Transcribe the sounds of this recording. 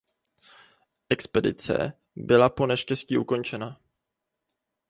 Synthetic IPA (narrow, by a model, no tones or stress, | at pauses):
ʔɛkspɛdɪ̰t͡sɛ̰ | bɪlapo̞nɛʃcɛsciːʔuko̞nt͡ʃɛna